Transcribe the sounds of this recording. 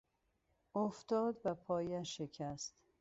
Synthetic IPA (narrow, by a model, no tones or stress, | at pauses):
oft̪ɒːd̪bæpʰɒːjæʃekʰæst̪